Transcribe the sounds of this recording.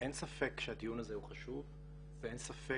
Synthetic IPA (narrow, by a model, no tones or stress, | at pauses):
ensafekʃeat̪ijunazehuχaʃuv | veʔensafe